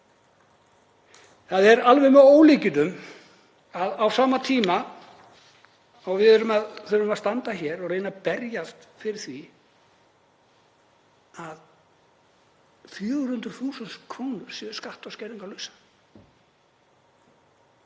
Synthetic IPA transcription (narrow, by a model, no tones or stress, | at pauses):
θaðɛɾalvɛjmɛðoːwliːcɪt̪ʏm | aðawsaːmat̪ʰiːma | awvɪðœɾʏmaðθœɾʏmast̪ant̪açɛɾɔɣreːjnapɛɾjast̪fɪɾɪɾ̥θvi | að | fjœːɣɾ̥hʏnt̪ɾʏ̥θuːsɛnskʰvoːwnʏɾ̥sɛðskaht̪awscɛɾiŋkawlœɥsḁ